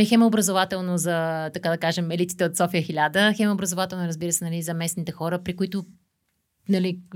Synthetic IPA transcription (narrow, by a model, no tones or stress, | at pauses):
lixɛmɐobɾəzovat̪ɛlˠnozɐt̪ɐkad̪ɐkaʒɛmɛlit̪sit̪ɛot̪sɔfiəxilʲad̪əxɛmɐobɾəzovat̪ɛlˠnʊɾəzbiɾəsɛnɐlizɐmɛsnit̪ɛxɔɾəpɾikʊit̪ʊ | nɐli